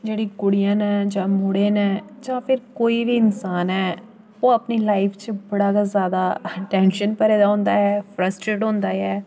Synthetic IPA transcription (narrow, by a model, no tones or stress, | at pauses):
d͡ʒeːɽiːkʊɽijãːnɛ̃ːd͡ʒãːmʊɽẽːnɛ̃ːd͡ʒãːpʰɪɾkoːiːʋiːɪnsaːnɦɛː | oːəpniːlaːɪpʰt͡ʃəbəɽaːɡaːzjaːd̪aːʈɛːnʃənpəɾɛːd̪aːɦʊ̃ːnd̪aːɦɛːpʰɾəsʈɾeːʈɦõːnd̪aːɛː